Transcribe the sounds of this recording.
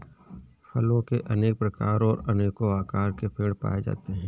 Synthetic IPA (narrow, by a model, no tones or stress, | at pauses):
fɐlõkeʔɐneːk̚pɾɐkaːɾɔːɾɐneːkoaːkaːɾkepʰeːɽpa̰ːed͡ʒa̰ːt̪eɦɛ̃ː